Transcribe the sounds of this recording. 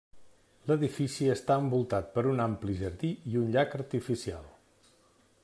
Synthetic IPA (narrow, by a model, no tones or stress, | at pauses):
ləðifisiəst̪aəmbulˠt̪at̪̚pəɾunampliʒəɾðiiunʎakəɾt̪ifisia̰lˠ